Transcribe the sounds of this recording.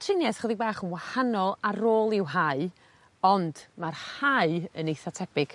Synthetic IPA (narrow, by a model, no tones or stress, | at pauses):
tʰrɪnjɛθχəðɪɡ̚baːχənwahanɔlˠaroːlˠɪwɦaɨ | ɔnd̥marhaɨənejθatʰɛpɪɡ̥